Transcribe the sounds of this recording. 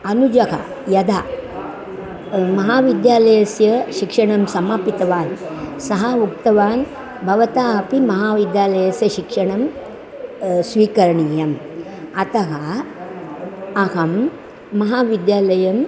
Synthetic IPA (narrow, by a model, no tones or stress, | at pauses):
ɐnud͡ʒɐka̰ | jɐd̪ʱaː | mɐɦaːʋid̪jaːlɐjɐsjɐʃikʂɐɳɐmsɐmaːpit̪ɐʋaːnsɐɦɐmukt̪ɐʋaːn | bʱɐʋɐt̪aːɐpimɐɦaːʋid̪jaːlɐjɐsjɐʃikʂɐɳɐm | sʋiːkɐɾɐɳiːjɐm | ɐt̪ɐɦɐ | ɐɦɐmː | ɐɦaːʋid̪jaːlɐjɐm